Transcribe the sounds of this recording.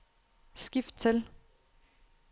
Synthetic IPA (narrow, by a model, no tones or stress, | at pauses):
sɡ̥ifd̥̚t͡sʰel